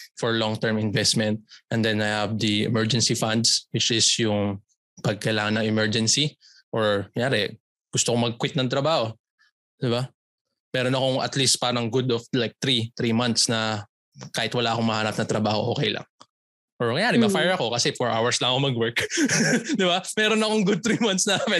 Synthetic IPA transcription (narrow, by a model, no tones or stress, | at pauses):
fɔɹlɔŋt̪ɛɹmɪnvɛst̪mɛnt̪̚ʔɛnd̪ɛnajhɐvd̪ɐɛ̰mɛɹd͡ʒɛnsifand̪swɪt͡ʃɪsjʊŋ | pɐɡ̚kɐjlaːŋɐnːɐŋɪmɛɹd͡ʒɛnsi | ʔoɹɐjaːɾɛ | ɡ̥ʊst̪okomɐɡ̚kwɪt̪̚nɐŋt̪ɾɐbaːho̞ | d̪ɪba | mɛːɾonɐko̞ŋɐ̰t̪list̪̚paːɾɐŋɡʊd̪ɔflajk̚t̪ɾit̪ɾimɐnt̪snɐ | kaːhɪt̪wɐlaːʔɐkoŋmɐhaːnɐp̚nɐt̪ɾɐbaːho̞ʔo̞ːkɛjlɐ̰ŋ | ʔoɹŋɐjaːɾɛmɐfajɛɹɐko̞kɐsɛfoɹʔa̰wɐɹslɐŋɐkomɐɡwɛɹk | d̪ɪbamɛɾonɐkoŋɡʊd̪̚t̪ɾimɐnt̪snɐamɪ